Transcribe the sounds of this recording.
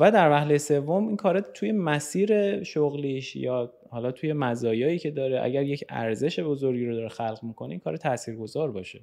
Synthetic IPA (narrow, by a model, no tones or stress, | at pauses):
væd̪æɾvæhlejese̞vːo̞minŋkʰɒːɾet̪ʰuje̞mæsiːɾe̞ʃoɣliʃjɒː | hɒːlɒːt̪ʰuːje̞mæzɒːjɒːiːcʰe̞d̪ɒːɾeʔæ̰ɟæɾjecʰæ̰ɾze̞ʃe̞bo̞zo̞ɾɟiːɾod̪ɒːɾexælʁmiːkʰo̞neiːnkʰɒːɾet̪ʰæsiːɾɡo̞zɒːɾbɒːʃe